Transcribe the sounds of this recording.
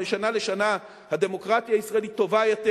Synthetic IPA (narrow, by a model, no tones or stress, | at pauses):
eʃanale̞ʃana | had̪e̞mo̞kʁat̪jaisʁaelit̪ːo̞vajate